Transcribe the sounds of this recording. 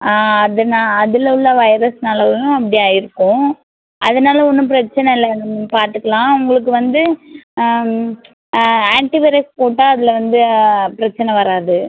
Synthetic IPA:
ɐðɐnaːɐðɪlɐʊɭːɐʋɐɪɾɐsnaːlɐɔnːʊ̃ɐpːɐɽijaːjɪɾɯkːʊ̃ | ʔɐðɐnaːlɐɔnːɯ̃p̬ɪɾɐt͡ʃːɐnɛɪlːɐpaːɾt̪ɯkːɐɭãːʊŋɡɐɭɯk̬ːɯʋɐnd̪ɯ | aːɳʈiʋɪɾɐspoːʈːaːɐðɪlɐʋɐnd̪ɯpɪɾɐt͡ʃːɐnɛʋɐɾaːðɯ

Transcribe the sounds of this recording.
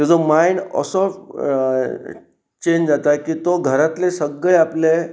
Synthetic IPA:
t̪ed͡zomainə̰sɔ | t͡ɕeɲd͡ʑd͡zat̪akiːt̪oɡʱəɾat̪lesəɡɭeaple

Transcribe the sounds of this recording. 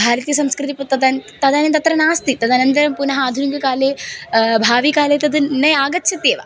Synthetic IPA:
bʱaːɾt̪ijɐsɐmskɾɨt̪iput̪ɐd̪aːnt̪ɐd̪ʱaːnit̪ɐt̪ɾɐnaːst̪it̪ɐd̪ʰʱaːnɐnt̪ɐɾɐmpunɐɦɐaːd̪ʱuniɡɐkaːleːbʱaːʋikaːleːt̪ɐd̪ɨnɐjaːɡɐt̪ːʃʰit̪eːʋa̰

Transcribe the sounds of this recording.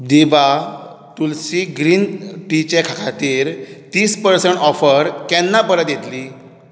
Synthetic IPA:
d̪iba | ʈ̪ulsiɡɾiːnʈit͡ɕekʰakʰat̪iːɾt̪iːspəɾsəɳʈɔfəɾkɛnːapəɾət̪jet̪li

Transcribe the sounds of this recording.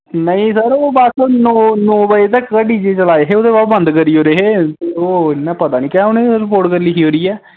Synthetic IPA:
nəĩːsəɾoːbasnoːnoːbəet̪əkːəɖiːd͡ʒeːt͡ʃəlaːeɦeːoːd̪eːbaːbənd̪kəɾiːoːɾeɦeːt̪eːoːɪnːãːpət̪aːnĩːkɛːoːneːɾɪpoːɾʈkəɾliːiːɦoːɾiːɛː

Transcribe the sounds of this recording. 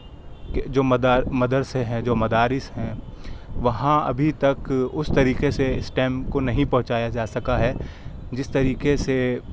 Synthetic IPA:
ked͡ʒoːmɐd̪aːmɐd̪əɾseɦɛ̃d͡ʒoːmɐd̪aːɾɪsɦɛ̃ | ʋɐɦãɐ̰bʱit̪ɐkʊst̪ɐɾiːqeseɪsʈɛːmkonɐɦĩpɐɦʊ̃t͡ʃaːjad͡ʒaːsɐkaɦɛd͡ʒɪst̪ɐɾiːkese

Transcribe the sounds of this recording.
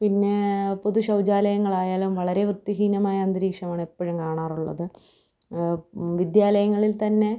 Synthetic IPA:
pinːe̞poðuɕɐwd͡ʑaːlɐjɐŋːɐɭaːjaːlumʋɐɭɐɾe̞ʋrɨt̪ːiɦiːnɐmaːjɐɐnd̪iɾiːkʂɐmaːɳepːɐɻumkaːɳaːruɭːɐ̰ðɨ | ʋid̪jaːlɐjɐŋːɐɭilt̪ɐnːe̞

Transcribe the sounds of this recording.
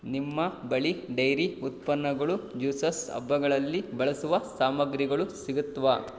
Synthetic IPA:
nimːɐbɐɭiɖɐjɾiut̪̚pɐnːɐɡɐɭud͡ʒuːsɐsɐ̰bʱːɐɡɐɭɐlːibɐɭɐsuʋɐsaːmɐɡɾiɡɐɭusiɡut̪ːɐʋa

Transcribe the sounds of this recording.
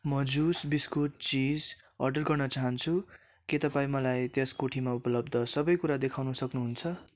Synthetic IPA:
mʌd͡zusbiskuʈ̚t͡sid͡z | ʌ̰rɖʌrɡʌrnʌt͡saɦʌnt͡sʰu | ket̪ʌpãĩmʌlajt̪jʌskoʈʰimaupʌlʌbd̪ʱʌsʌbʌjkuɾad̪ekʰawnusʌknuɦunt͡sʰʌ

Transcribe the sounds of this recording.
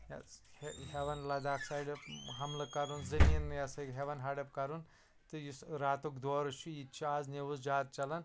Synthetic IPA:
heɦeʋɐnlɐd̪aːksaːjɖɐpɦɐmlɐkɐɾunzɐmʲiːnjɐsɐɡʲɦeʋɐnɦɐɖɐpkɐɾun | t̪ɨjisɾaːt̪ukd̪oːɾɐt͡ʃʰujit͡ʃʰuaːzneʋuzd͡ʒaːt̪̚t͡ʃɐlɐn

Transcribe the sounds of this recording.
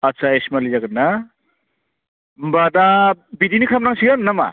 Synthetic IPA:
asaesmalizaɡɯnːa | mbadabidinikʰamnaŋsiɡanːama̰

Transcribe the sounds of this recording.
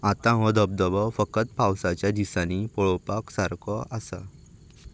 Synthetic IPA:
at̪ãɦɔ̃d̪əb̚d̪əbɔfəkət̪̚pawsat͡ɕjad̪isanipɔɭɔwpaksaɾkʰɔasa̰

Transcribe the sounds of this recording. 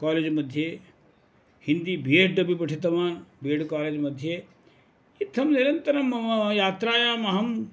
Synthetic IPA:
kaːleːd͡ʒmɐd̪ʱjeː | hind̪iːbʱieʈɖɐbipɐʈʰit̪ɐmaːnbʱieːɖkaːleːd͡ʒmɐd̪ʱjeː | it̪ʰːɐmniɾɐnt̪ɐɾɐmɐɐjaːt̪ɾaːjaːmɐɦɐm

